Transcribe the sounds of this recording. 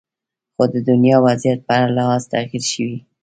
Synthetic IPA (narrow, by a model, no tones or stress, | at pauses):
xod̪əd̪ʊnjɑwazjat̪̚pəaɾalahɑzt̪axiɾʃəwi